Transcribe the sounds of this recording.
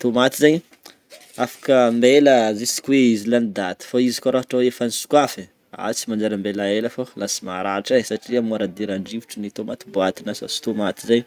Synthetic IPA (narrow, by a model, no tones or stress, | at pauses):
t̪omat̪izaɲ | afḁkəmbeləzisi̥kʲuweizilanid̪at̪i̥faizikaɾaɦaʈ͡ʂaefanisu̥kwafe | a̰t͡simand͡ʒaɾəmbelaeləfalasimaɾaʈ͡ʂasaʈ͡ʂiamuaɾad̪iɾaɳɖ͡ʐivuʈ͡ʂənit̪omat̪iboat̪inasa̰si̥t̪omat̪izaɲ